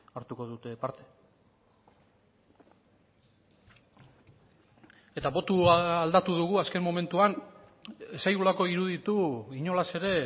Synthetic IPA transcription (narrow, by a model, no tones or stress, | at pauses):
aɾt̪uko̞ðut̪e̞paɾt̪e̞̥ | e̞t̪aβo̞t̪uald̪at̪uðuɣ̞uaske̞mːo̞me̞nt̪uan | esajɣulako̞iɾuðit̪uiɲo̞lase̞ɾe̞